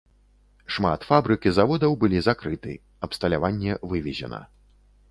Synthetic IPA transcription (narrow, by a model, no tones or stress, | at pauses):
ʂma̰t̪fabɾɨkʲizavɔd̪ɐwbɨlʲizakɾɨt̪ɨ̰ | ɐpst̪ɐlʲavanʲːɛvɨvʲɛzʲɛ̰nɐ̰